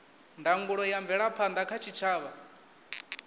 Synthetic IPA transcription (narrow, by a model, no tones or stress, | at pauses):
ndaŋɡuɺɔjaɱvɛɺapʰand̪akʰat͡ʃʰit͡ʃʰaːβa